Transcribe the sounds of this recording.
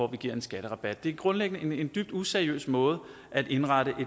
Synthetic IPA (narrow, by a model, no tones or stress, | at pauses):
ɒʋiɡ̥iɐ̰e̝nsɡ̥æɾ̥əʁɑ̈b̥æd̥̚ːe̝æɡ̥ʁɔ̽nleɡ̥ənəee̝nd̥yb̥̚d̥useɐiø̰ːsmɔ̽ːð̞̩ˠ | ʔæd̥e̝nʁɑ̈ɾəʔe̝